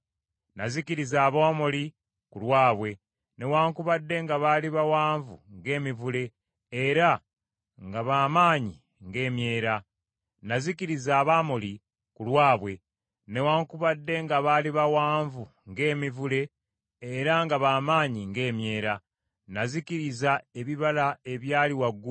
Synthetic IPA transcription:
nazikiɾizaːβoːmoli | kulwaːβwe̞ | ne̞waːŋkuβadːe̞ŋɡaβaliβawaːɱvṵŋɡe̞ːmivule̞ː | ɾa | ŋɡaβaːmaːɲi | ŋɡe̞ːmje̞ːɾa | nazikiɾizaːβaːmoli | kulwaːβwe̞ | ne̞waːŋkuβadːe̞ŋɡaβaːliβawaːɱvu | ŋɡe̞ːmivule̞ː | ɾaŋɡaβaːmaːɲiŋɡe̞ːmje̞ːɾa | naziciɾizae̞βiβalae̞βjaːliwaɡːu

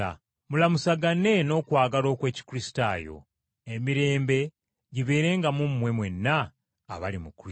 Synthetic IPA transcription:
a | mulamusaɡane̞no̞ːkwaːɡalo̞ːkwe̞ːci̥kuɾisi̥ta̰ːjo̞̰ | emiɾe̞ːmbe̞ | ɟiβe̞ːɾe̞ːŋɡamumːwe̞mwe̞nːaː | βalimukɾ

